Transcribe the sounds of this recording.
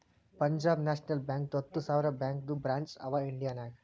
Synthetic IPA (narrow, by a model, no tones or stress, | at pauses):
pɐɲd͡ʒaːbnaːʃnɐlbãːŋk̚t̪ɔt̪ːusaːʋɾabãːŋk̚d̪ubɾãːnt͡ʃɐ̰ʋaiɳɖijaːnaɡ